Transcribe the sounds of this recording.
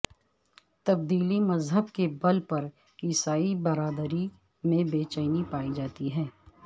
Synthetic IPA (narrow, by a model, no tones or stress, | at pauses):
t̪ɐb̚d̪iːlimɐzɦəbkebɐlpɐɾ | kɪsaːibɐɾaːd̪ɾi | mẽbeːt͡ʃəɪnipaːid͡ʒaːt̪iɦɛ̃ː